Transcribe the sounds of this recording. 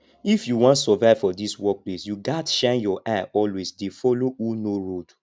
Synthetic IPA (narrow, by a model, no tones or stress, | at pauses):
ifjuwɔ̃ntsɔvaɪv̥fɔdiswɔk̚plesjuɡatʃãnjɔʔaɔlwesdefɔlounoɹod̥